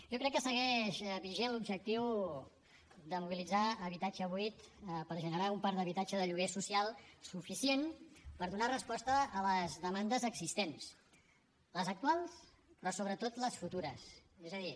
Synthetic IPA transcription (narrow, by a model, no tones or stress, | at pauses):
ʒɔkɾɛkːəsəɣɛʃβiʒelubʒək̚t̪iw | d̪əmuβilid͡zaəβit̪ad͡ʒəβuit̪pəɾʒənəɾaumpaɾd̪əβ̞it̪ad͡ʒəðəʎuɣ̞esusialˠsufisienpəɾðunarəspɔst̪əːləzðəmand̪əzəɡzist̪ens | ləzək̚t̪ualˠs | pɾɔsoβɾət̪ot̪ləsfut̪uɾəsezəði